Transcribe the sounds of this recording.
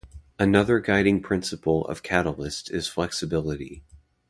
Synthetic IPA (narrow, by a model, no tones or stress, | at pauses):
ənʌðə˞ɡaɪɾɪ̃ŋpʰɹ̥ɪ̃nsəpl̩ˠʌ̰v̥kʰæɾl̩ˠɪstɪz̥flɛksɨbɪlˠəɾi